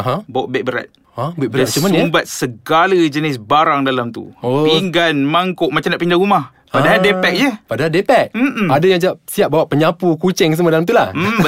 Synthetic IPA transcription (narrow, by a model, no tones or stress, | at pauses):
aɦãbawaʔbɛk̚bəɾa̰t̪ | abɛʔ̚bəɾat̪t͡ʃəmanmbat̪̚səɡalad͡ʒənɪs̬baɾaŋdalamt̪ṵopiŋɡanmaŋkʊʔmat͡ʃamndaʔpindaɾumah | padaɦaldepɛk̚jəpadaɦaldepɛk̩̚adajaŋd͡ʒaasiaʔ̚bawaʔpəɲapukut͡ʃɛŋs̬əmadalamt̪ulah̩